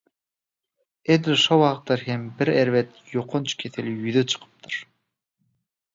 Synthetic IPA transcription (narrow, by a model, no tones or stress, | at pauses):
ed̪ʃolˠwɑt̪ːɑɾɦembiɾeɾvet̪joqʰont͡ʃkʰʲeθeljyðøt͡ʃʰɯ̥qʰɯ̥p̚t̪ʰɯɾ